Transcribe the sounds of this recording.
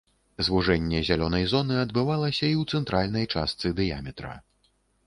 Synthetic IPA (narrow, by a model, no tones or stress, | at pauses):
zvuʐɛnʲːɛzʲalʲɔnɐjzɔnɨɐd̪bɨvalˠɐsʲɐiwt̪sɛnt̪ɾalʲnɐjt͡ʂa̰st̪sɨd̪ɨja̰mʲɛt̪ɾɐ̰